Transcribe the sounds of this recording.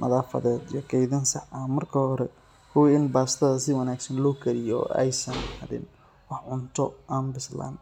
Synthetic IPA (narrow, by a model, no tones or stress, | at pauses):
nʔɐ̰ðaːfɐ̰ðɛːd̪ijɔkʰɛjðɐnsɑħɐmɐrkʰɐhɔɾɛ | kʰʊwiɪnbaːst̪ʰɐðɐsɪwɑnaːɡsɐnlɔːkʰɐɾɪjɔ̰ɛ̰jsɐnhɐðɪ̰n | wɑħʕʊnt̪ʰɔʔaːnbɪsla̰ːn